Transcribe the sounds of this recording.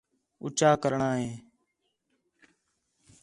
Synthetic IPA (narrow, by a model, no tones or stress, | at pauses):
ʊ̰t͡ʃaːkəɾɳaːɦeː